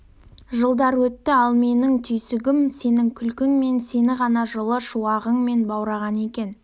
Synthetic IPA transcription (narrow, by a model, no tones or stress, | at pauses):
ʒəlˠd̪ɑɾwɵt̪ːɪɑlˠme̞nɪŋt̪ʰʏjsɪɡʲɪmse̞nɪŋkʲʰʏlkʲɪŋme̞nse̞nɪʁɑnɑʒəlˠəʃuɑʁəŋme̞nbɑwɾɑʁɑne̞kʲe̞n